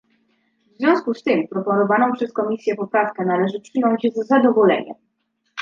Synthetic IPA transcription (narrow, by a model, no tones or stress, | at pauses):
vzvʲjɔ̃skust̪ɘmpɾɔpɔnɔvanɔ̃w̃pʂɛskɔmʲisʲjɛpɔpɾafkɛnalɛʐɘpʂɘnɔɲd͡ʑzzad̪ɔvɔlɛ̰ɲɛ̰m